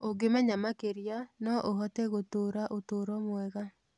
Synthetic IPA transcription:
oɡemɛɲamakeɾijanɔʔoɦɔtɛɣotoːɾaʔotoːɾɔmwɛɣa

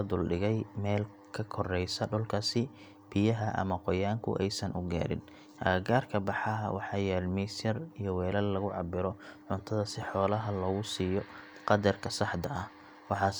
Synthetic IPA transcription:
ɐd̪ʊlɖɪɣɛjmɛːl | kʰɐkʰɔrɛjsɐɖɔlkʰasɪ | b̥ɪjɐɦɐʔɐ̰mɐqɔjaːŋkʰʊ̰ʔɛjsɐnʔʊɡa̰ːɾɪ̰n | ʔɐːɡaːrkʰɐbɑħɑɦɐwɑħɑːjɛːlmɛsjɐrijɔwɛːlɐllɐɣʊʕɑ̰bɪɾɔʕʊnt̪ʰɐðɐsɪħɔːlɐɦɐlɔːɣʊsiːjɔ | qɑd̪ɐrkʰɐsɑħd̪ɐʔɐh | wɑħɑː

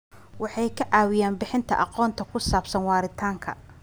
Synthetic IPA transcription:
wɑħɑjkʰɐʕaːwɪjaːnbɪħɪnt̪ʰɐ̰ʔɑqɔːnt̪ʰɐkʰʊsaːbsɐnwɑːɾɪt̪ʰaːŋkʰɐ̰

